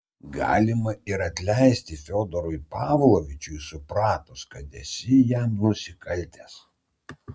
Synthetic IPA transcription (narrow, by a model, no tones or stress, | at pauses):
ɡɑ̰ːlʲɪmɐɪɾɐt̪ʲlʲɛɪsʲt̪ʲɪfʲoːd̪ɔɾʊɪpɑːʋlˠoʋʲɪt͡ʃʲʊjsʊpɾɑːt̪ʊskɐt̪ʲɛsʲɪjæmnʊsʲɪkɐlʲt̪ʲeːs